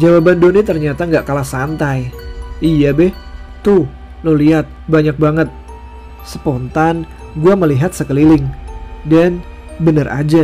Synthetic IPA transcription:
d͡ʒawabandonit̪ərɲat̪aŋɡaʔkalahsant̪ajʔijabɪh | t̪u | noliɦat̪̚baɲak̚baŋət̪̚ | səpont̪an | ɡuaməliɦat̪̚səkəlilɪŋdan | bənərʔa̰d͡ʒa

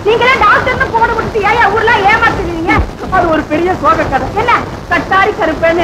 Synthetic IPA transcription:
niːŋɡɐlãːɖɐʊk̚ʈːɐɾɯnd̪ɯpoːɽɐmʊʈːɯt̪ːɯeːjaːuːɾɯlãːeːmaːt̪ɪniʋiːŋɡɐ | ɐðɯɔɾɯpɛɾɪjɐsoːɣɐkːɐðɐ̃ɛnːɐ | kɐʈːaːɾikɐɾɯpːeːnɯ

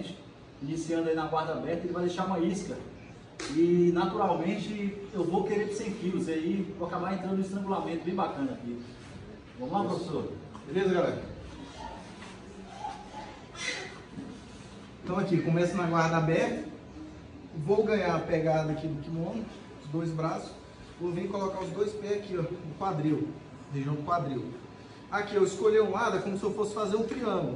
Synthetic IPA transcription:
t͡ʃɪ̥ | inisiɐ̃d̪ʊainɐɡwaɾd̪ɐabɛɾt̪ɐelɪvajd̪eʃaɾũmɐisklɐ | inat̪uɾawmẽt͡ʃɪewvowkeɾepsẽkiwzaivoakabaɾẽnt̪ɐ̃d̪ʊ̃ist̪ɾɐ̃ŋɡulamẽt̪ʊbẽj̃bakɐ̃nɐaki | vɐ̃mʊlapɾofesoɾbelezɐɡalɛɾɐ | ẽt̪ɐ̃w̃akikõmɛsɐnɐɡwaɾd̪abɛɾt̪ɐ | vowɡɐ̃ɲaɾɐpɛɡad̪ɐɐkid̪ʊkɪmõnʊ | ʊzd̪ojzbɾasʊ̥s | vovĩkolɔkaʊzd̪ojspɛakiɐʊkwad̪ɾiw | ɦeʒiɐ̃w̃d̪ʊkwad̪ɾiw | akiewɪskoʎeũlad̪ɐkõmʊsɪewfosɪ̥fazeɾũtɾiɐ̃ɡʊlʊ

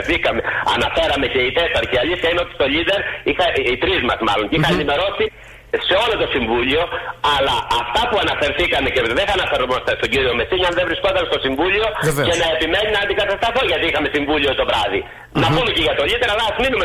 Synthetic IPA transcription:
θikɐme̞ɐ̰nɐfe̞ɾɐme̞ce̞it̪est̪ɐɾceɐʎisçɐineo̞t̪i̥t̪o̞ʎid̪e̞ɾixɐit̪ɾizmɐsmɐlo̞nceiixɐenime̞ɾo̞si | se̞o̞lo̞t̪o̞siɱvuʎio̞ɐlɐːft̪ɐpuɐnɐfe̞ɾθikɐme̞ceðeθɐnɐfeɾomɐst̪est̪o̞ɟiɾio̞me̞siɲɐnðevɾisko̞t̪ɐnst̪osiɱvuʎio̞e̞nɐe̞pime̞ninɐɐnd̪iɡɐt̪ɐst̪ɾɐθoʝɐt̪iixɐme̞siɱvulʎiot̪o̞vɾɐði | nɐpumeceʝɐt̪oʎid̪e̞ɾɐlɐːzminume

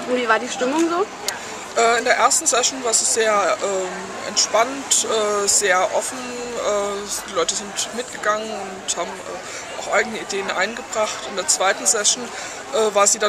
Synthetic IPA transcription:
ʊntviːvaːɐdiːʃtɪmʊŋzoː | ʔɛːɪndeːɐʔeɐstn̩sɛʃn̩vaːɐziːzeːɐʔɛː | ʔɛ̰ntʃpantʔɛːz̥eːɐʔɔfn̩ʔɛːd̥iːlɔʏtəzɪntmɪt̚ɡ̥əɡaŋənʊnthaːbm̩ʔɛ̰ː | ʔa̰ʊxʔaɪɡənəideːənʔa̰ɪnɡəbʁaχtɪndeːɐt͡sv̥aɪtn̩sɛʃn̩ | ʔɛːvaːɐziːda

